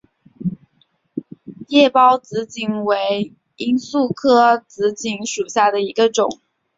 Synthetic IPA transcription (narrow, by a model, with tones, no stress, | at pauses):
jɛ˥˩pɑ˥ʊt͡sɹ̩˧˥t͡ɕi˧˥ŋwe˧˥ɪ | i˥nsu˥˩kʰɤ˥t͡sɹ̩˧˥t͡ɕi˧˥ŋʂu˨˩ɕja˥˩d̪ə˩i˧˥ɡə˧ʈ͡ʂʊ˨˩˦ŋ